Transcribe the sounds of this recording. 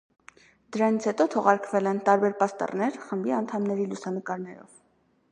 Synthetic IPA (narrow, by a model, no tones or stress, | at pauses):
d̪əɾɑnit͡sʰhɛt̪ɔt̪ʰɔʁɑɾkvɛlɛnt̪ɑɾbɛɾpɑst̪ɑ̰rnɛɾχəmbiɑnt̪ʰɑmnɛɾilusɑnəkɑɾnɛɾɔ̰v